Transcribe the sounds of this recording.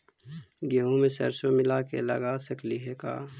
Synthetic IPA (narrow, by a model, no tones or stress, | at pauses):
ɡeɦõmẽsɐ̰ɾsomɪlaːkḛlɐ̰ɡaːsɐkliɦɛka̰ː